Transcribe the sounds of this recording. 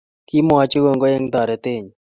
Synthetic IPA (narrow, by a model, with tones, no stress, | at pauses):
ki˦mɔ˦a˦t͡ʃo˦ɡo˨ŋɡo˦e˦ŋd̪ɔ˨ɾɛ˨t̪ɪ˦ɲ